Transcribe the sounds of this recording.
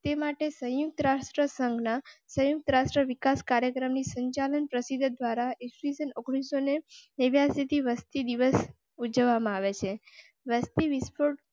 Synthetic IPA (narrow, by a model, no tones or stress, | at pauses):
t̪emaʈesə̃juk̚t̪əɾasɾəsəŋɡnasə̃juk̚t̪əɾasɾəʋikaskaɾjəkɾəmnisəɲt͡ʃalənpɾəsid̪ʱd̪ʋaɾaesisənoɡɽ̃isoneneʋjasit̪ʰiʋəst̪id̪iʋəs | ud͡ʒəʋːamãaʋet͡ʃʰe | ʋəst̪iʋispʰoʈ